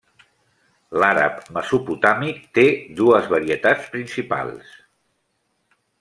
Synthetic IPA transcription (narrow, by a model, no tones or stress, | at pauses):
laɾə̰pməzuput̪amikt̪ed̪uəzβəɾiət̪at͡spɾinsipa̰lˠs